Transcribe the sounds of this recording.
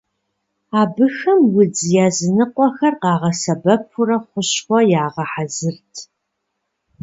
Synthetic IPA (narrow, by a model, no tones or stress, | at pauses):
aːbɨxɐmwʊd͡zjaːzɨnɨqʷʼɔxɐrqɑːʁɐsɐbɐpʰʊrɐχʷʊɕχʷɔjaːʁɐħazɨrtʰ